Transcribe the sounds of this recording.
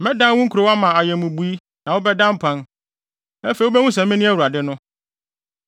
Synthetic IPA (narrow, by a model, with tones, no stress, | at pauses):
mɛ̃˦dã˦n˦wũ˦ŋ̩˦ku˨ɾo˦wa˦mã˨a˨jɛ̃˨mũ˨bu˨˦i˦ | nã˨wo˦bɛ˦dã˦m̩˦pʰã˦n | ɛ˦fe˨wo˦bɛ˦wũ˦s̬ɛ̃˨˦mɪ̃˦nɪ̃˦æ˦wu˨ɾa˨dɪ˦nʊ̃˦